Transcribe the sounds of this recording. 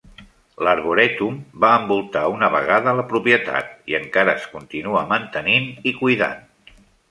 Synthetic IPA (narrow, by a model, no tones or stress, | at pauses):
ləɾβuɾɛt̪umbaəmbulˠt̪aunəβəɣaðələpɾupjət̪a̰t̪̚iəŋkaɾəskunt̪inuəmənt̪əninikujða̰n